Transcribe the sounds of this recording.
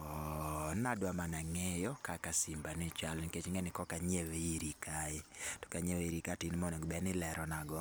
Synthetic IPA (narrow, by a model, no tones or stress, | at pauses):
ɔnadwamanaŋejɔkakasimbanit͡ʃalniket͡ʃŋenɪkɔkaɲeweiɾikʰaetɔ̥kaɲeweiɾikatinmɔnɔɡbɛnɪlɛɾʔɔnaɡɔ